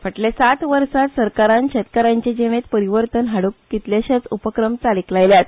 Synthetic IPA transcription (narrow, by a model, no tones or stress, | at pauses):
fəʈlesat̪ʋəɾsat̪səɾkaɾãnɕɛt̪kaɾãɲt͡ɕed͡ʑeʋet̪pəɾiʋəɾt̪ənɦaɽukkit̪ljaɕat͡supəkɾəmt͡saliklajljat̪